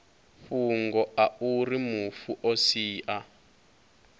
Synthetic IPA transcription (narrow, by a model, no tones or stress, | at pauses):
ɸuŋɡɔʔaurimufuʔosiːʔa